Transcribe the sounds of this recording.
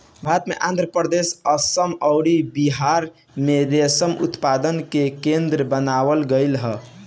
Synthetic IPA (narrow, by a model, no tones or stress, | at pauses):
bʱat̪mḛʔãnd̪ʱɾəpəɾd̪esəsəmɔʊɽibiɦaɾ | med̪esəmṵt̪pad̪ənkekend̪ɾəbənawəlɡəɪlɦə